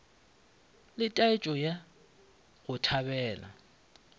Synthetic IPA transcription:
lɪtʼaɪt͡ʃʼɔja | ɣʊtʰabɛːla̰

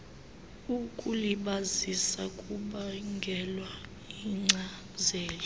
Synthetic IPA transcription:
ukʼuliɓazisakʼuɓaŋɡʱɛlwa | iŋ͡ǀa | zɛːli

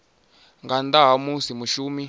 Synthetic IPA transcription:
ŋɡand̪aɦamusimuʃuːmi

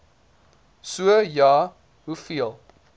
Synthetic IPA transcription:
suəjɑː | ɦufiəlˠ

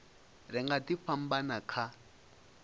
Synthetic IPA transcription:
rɪŋɡatifam̩banakʰa

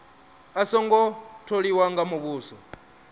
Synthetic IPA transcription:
asɔŋɡɔtʰoɺiwaŋɡamuβuːsɔ

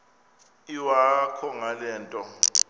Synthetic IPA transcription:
iwakʰɔŋalɛːntʼɔ

